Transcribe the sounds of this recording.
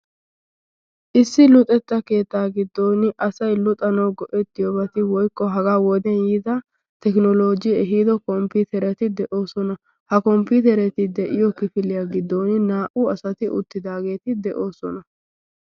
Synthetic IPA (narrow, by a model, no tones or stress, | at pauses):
ʔɪsːɪlʊt̪ʼːɛt̪ːɐke̞ːt̪ːaːɡɪd̪ːoːnɪʔɐsɐjlʊt̪ʼɐnɐwɡɔʔɛt̪ːɪjɔbɐt̪ɪwɔjkʼːɔɦɐɡaːwɔd̪ɛnjiːd̪ɐ | t̪ɛknɔlo̞ːd͡ʒɪɛɦiːd̪ɔkɔmpiːt̪ɛɾɛt̪ɪd̪ɛʔo̞ːsɔnɐ | hɐkɔmpiːt̪ɛɾɛt̪ɪd̪ɛʔɪjɔkɪfɪlɪjaɡɪd̪ːoːnɪnaːʔʊɐsɐt̪ɪʔʊ̰t̪ːɪd̪aːɡe̞ːt̪ɪd̪ɛʔo̞ːsɔnɐ